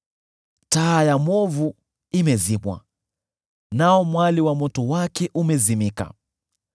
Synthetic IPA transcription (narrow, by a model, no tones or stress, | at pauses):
taːjamɔvu | imɛzimwa̰ | naɔmwaliwamɔtɔwakɛʔumɛzimika̰